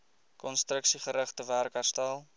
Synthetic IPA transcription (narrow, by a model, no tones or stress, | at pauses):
kɔnstrəksiχəɾəχtəværkɦærstælˠ